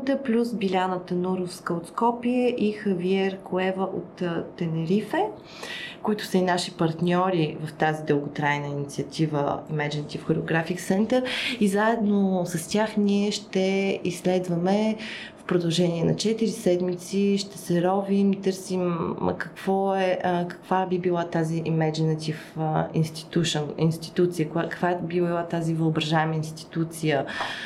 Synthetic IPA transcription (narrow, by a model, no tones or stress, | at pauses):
t̪əplʲusbilʲanət̪ənuɾofskəot̪skɔpiɛʔixɐviɛɾkoɛvəʔot̪t̪ːɛnɛɾifɛ | kʊit̪ʊ̥səinaʃipɐɾt̪nʲɔɾivəft̪azid̪ɤlˠɡʊt̪ɾajnəinit̪siət̪ʰivə̰imɛd͡ʒɛnt̪ʲifxoɾeoɡɾafiksɛnt̪əɾizaɛd̪nosɐstʲaxnʲiɛʃt̪ɛislɛd̪vəmɛ | fpɾod̪ɐlˠʒɛnʲiɛnɐ̰t͡ʃɛt̪iɾisɛd̪mit̪siʃt̪ɛsɛɾɔvimit̪ɤɾsim̰kəkv̥ɔɛəkə̥kv̥abibilˠat̪aziʔimɛd͡ʒinət̪ʲifḭnst̪i̥t̪uʃoninst̪i̥t̪ut̪sijəkʊjakə̥kvaɛbibilˠat̪azivəobɾɐʒaɛməinst̪i̥t̪ut̪sijə